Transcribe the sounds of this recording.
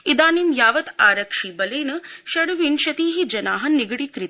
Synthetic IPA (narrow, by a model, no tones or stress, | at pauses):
id̪aːnimjaːʋɐt̪aːɾɐkʂiːbɐleːnɐʃɐɽuʋinʃɐt̪iːɦid͡ʒɐnaːɦɐniɡɽikɾit̪